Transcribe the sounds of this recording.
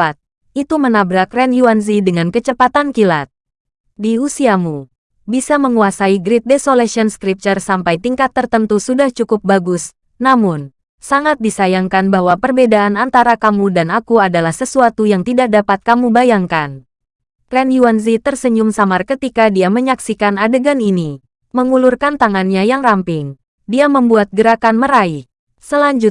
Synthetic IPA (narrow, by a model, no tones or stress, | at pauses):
t̪̚ | it̪umənabɾakrɛnjuanzidəŋankət͡ʃəpat̪ankilat̪̚ | diusiamu | bisaməŋuasaiɡɾɪt̪̚desolasiɔnskɾip̚t͡ʃərsampajt̪iŋkat̪ːərt̪ənt̪usudaht͡ʃukʊp̚baɡʊs | namʊn | saŋat̪̚disajaŋkanbaɦwapərbedaʔanant̪aɾakamudanakuadalahsəsuat̪ujaŋt̪idak̚dapat̪̚kamubajaŋkan | kɾɛnjuanzit̪ərsəɲʊmsamarkət̪ikadiaməɲaksikanadəɡanini | məŋulʊrkant̪aŋanɲajaŋrampɪŋ | diaməmbuat̪̚ɡəɾakanməɾai | səlaɲd͡ʒʊt̪̚